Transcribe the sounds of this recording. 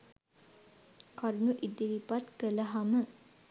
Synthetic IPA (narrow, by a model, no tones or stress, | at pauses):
kaɾunuʔid̪iʋipat̪kələɦamə